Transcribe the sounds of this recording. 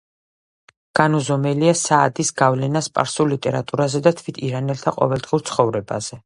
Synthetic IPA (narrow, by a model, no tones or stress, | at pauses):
ɡ̥anɔzɔmɛliasaːd̪isɡavlɛnaspʼa̰ɾsulːit̪ʼɛɾat̪ʼuɾazɛd̪at̪ʰvit̪ʰiɾanɛlt̪ʰaqʼɔ̰vɛlˠd̪̥ʁiuɾt̪sʰχɔvɾɛba̰z̥ɛ